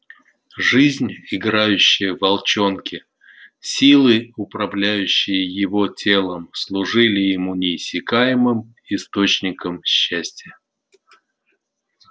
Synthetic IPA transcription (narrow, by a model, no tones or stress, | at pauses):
ʐɨzʲnʲɪɡɾajʉɕːɪjəvɐlˠt͡ɕo̞nkʲɪ | sʲilˠɨʊpɾɐvlʲæjʉɕːɪjəjɪvo̞tʲe̞lˠəmslˠʊʐɨlʲɪjɪmunʲɪːsʲːɪkajɪmɨm | ɪst̪o̞t͡ɕnʲɪkəmɕːæsʲtʲɪjə